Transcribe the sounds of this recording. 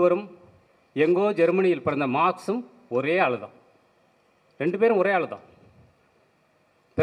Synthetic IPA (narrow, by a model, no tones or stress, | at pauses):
ʋɐɾɯm | ɛŋɡoːd͡ʒɛɾmɐnɪjɪlpɐɽɐnd̪ɐmaːksɯm | ɔɾeːaːɭɐðã̰ː | ɾɛɳɖɯp̬eːɾɯmɔɾeːaːɭɐðã̰ː | pɛ